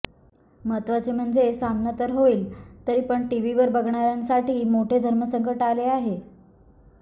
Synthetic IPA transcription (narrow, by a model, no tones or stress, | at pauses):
mət̪ʋat͡sem̤əɳd͡zesamnət̪əɾɦoiːlt̪əɾiːpəɳʈiʋ̤iʋəɾbəɡɳaɾjãnsaʈiːmoʈʰed̪ʱəɾməsəŋkəʈaleaɦe